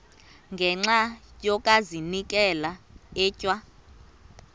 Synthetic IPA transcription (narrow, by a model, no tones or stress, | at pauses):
ŋɡʱɛŋ͡ǁajɔkʼazinik̬ʼɛlaɛːcʼwa